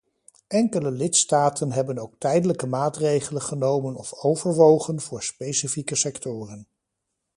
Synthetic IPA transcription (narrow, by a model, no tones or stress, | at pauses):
ɛŋkələlɪtstaːtənɦɛbənowk̚tɛjdələkəmaːtrejχələnχənowmənɔfowvəɹʋowχənvʊːɹspejsifikəsɛktʊːrən